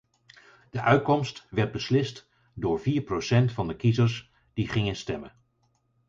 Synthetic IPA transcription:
d̥əʔœɥt̚kɔmstʋɛɹd̚bəslɪst | dʊːɹviːɹprosɛntfɑndəkizəɹs | d̥iχɪŋənstɛmən

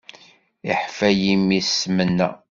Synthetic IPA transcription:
iħfæjimissmənːæ̰

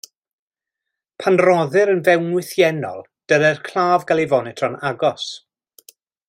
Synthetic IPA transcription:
pʰanrɔðɨɾənvɛwnwɪθjɛnɔ̰lˠ | d̥əɾɛrkʰl̥ˠaːvɡalˠivɔnɛtʰrɔnaɡɔs

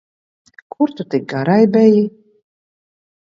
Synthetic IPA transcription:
kʰuɾt̪ut̪ik̚ɡaɾajbʲɛji

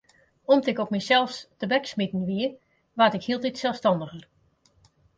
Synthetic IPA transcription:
ɔmtɪkopmisɛlˠfstəbɛksmitn̩ʋiə | ʋatɪkhiəlˠtitsɛlˠfstɑndəxər

